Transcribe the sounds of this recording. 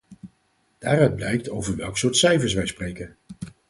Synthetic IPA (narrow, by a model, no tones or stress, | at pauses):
d̥aːrœɥd̚blɛjk̚towvəɹʋɛlˠksʊːɹtsɛjfəɹs̬ʋɛjsprejkən